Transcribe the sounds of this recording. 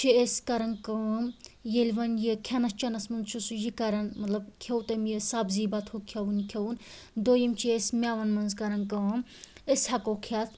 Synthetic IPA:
t͡ʃʰiesʲkɐɾɐnkɐʋɐmjelʲʋɐnjekʲʰɐnɐst͡ʃɐnɐsmɐnzt͡ʃʰusujikɐɾɐnmɐt̪lɐbkʰewt̪ɐmjesaːbziːbɐt̪ʰhokʰjɐwunikʰʲɐwun | d̪oːjɐmt͡ʃʰiesmʲaːʋɐnmɐnzkɐɾɐnkɐʋɐm | esʲhɐkokʰʲat̪ʰ

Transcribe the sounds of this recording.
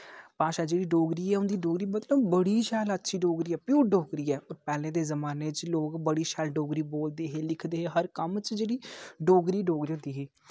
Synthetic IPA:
paːʃaːd͡ʒeːɽiːɖoːɡɾiːɛːʊ̃nd̪iːɖoːɡɾiːmət̪ləbːəɽiːʃɛːlətːʃʰiːɖoːɡɾiːɛːpjuːɖoːɡɾiːɛːoːɾpɛːlẽːd̪eːzəmaːneːt͡ʃloːkbəɽiːʃɛːlɖoːɡɾiːboːld̪eːɦeːlɪkʰd̪eːɦeːɦəɾkəmt͡ʃd͡ʒeːɽiːɖoːɡɾiːɖoːɡɾiːõnd̪iːɦeː

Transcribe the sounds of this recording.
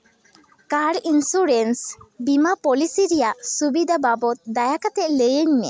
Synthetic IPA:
kaɽinsuɾɛnsbimapɔlisiɾɛjaʔsubid̪ʱababɔt̪̚d̪ajakat̪ɛʔləjəɲnɛ̰

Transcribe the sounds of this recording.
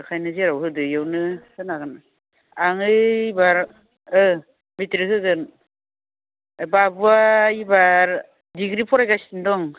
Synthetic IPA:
kʰajnɯzeɾawɦɯdɯjawnɯsɯnaɡɯn | aŋɯibaɾ | ɯ | mitɾikʰɯɡɯn | babuaibaɾ | diɡɾipʰɔɾajɡasindɔŋ

